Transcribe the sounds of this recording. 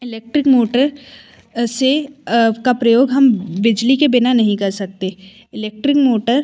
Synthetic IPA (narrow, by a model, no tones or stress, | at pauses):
ɪleːk̚ʈɾɪkmoːʈəɾ | sekapɾɐjoːɡɦɐmʋɪd͡ʒlikebɪnanɐɦĩkɐɾsɐk̚t̪e | ɪleːk̚ʈɾɪkmoːʈəɾ